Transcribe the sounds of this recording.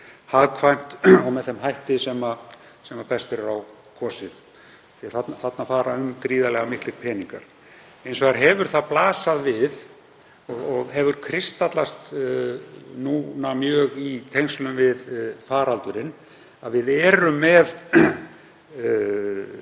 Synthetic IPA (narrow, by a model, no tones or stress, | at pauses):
haðkʰvajm̥t̪ɔwmɛðθɛmɦajht̪ɪsɛma | sɛmapɛst̪ɪɾʏɾaw | kʰɔːsɪð | θiaθat̪nθat̪nafaːɾaʏmkɾiːðalɛɣamɪhklɪɾpʰɛːniŋka̰ɾ̥ | ejnsɔɣaɾ̥ɦɛvʏɾ̥θaðplaːsaðvɪð | ɔɣɔɣɦɛvʏɾ̥kʰɾɪst̪at̪last̪ | nuːnamjœːɣit̪ʰejŋslʏmvɪðfaːɾalt̪ʏɾɪn | aðvɪðɛːɾʏmːɛð